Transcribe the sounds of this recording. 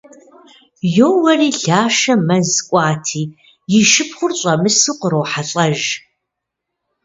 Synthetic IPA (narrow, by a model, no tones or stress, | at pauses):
joːwɐriːɮaːʃɐmɐzkʷʼɑːtʰiː | jɪʃɨpχʷʊrɕʼɐmɨsɨqʷəɾowħaɬʼɐʒ